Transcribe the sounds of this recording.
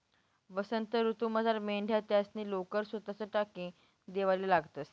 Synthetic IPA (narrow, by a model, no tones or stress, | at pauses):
ʋəsənt̪əɾut̪uməd͡zʱaɾmeɳɖʱjat̪jasniːlokəɾsət̪at͡səʈakĩː | d̪eʋalilaɡt̪əs